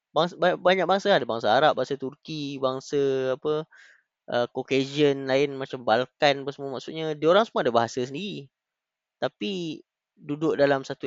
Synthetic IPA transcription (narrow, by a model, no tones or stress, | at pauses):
baŋsbbaɲak̚baŋsaadabaŋsaaɾap̚baɦasat̪urkibaŋsaapə | ʔəkoked͡ʒiənlaɪnmãt͡ʃambalkanpəsəmuamaʔsut̪̚ɲadioɾaŋsəmuadabaɦasasəndiɾi | t̪api | dudʊʔ̚dalamsat̪u